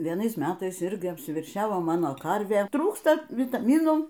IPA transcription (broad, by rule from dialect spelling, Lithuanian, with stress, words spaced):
ʋʲiɛˈnɐɪs ˈmʲæːtɐɪs ˈɪrʲɡʲɪ ɐpʲsʲɪʋʲɛrʲˈʃʲæːʋoː ˈmɑːnoː ˈkɐrʲʋʲeː ˈtruːkstɐ ʋʲɪtɐˈmʲiːnuː